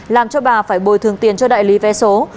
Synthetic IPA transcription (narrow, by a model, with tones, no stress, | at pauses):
laː˨˩mt͡ɕɔ˧ɓaː˨˩faː˧˩jɓo˧˨˩jt̪ʰɨ˨˩əŋt̪i˨˩ənt͡ɕɔ˧ɗa̰ː˧˨jli˨˦vɛ˨˦so˨˦